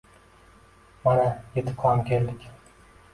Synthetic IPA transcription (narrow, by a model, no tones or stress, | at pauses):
maɾajet̪ʰɪ̥p̚qʰɒmkʲʰeld̪ɪkʲ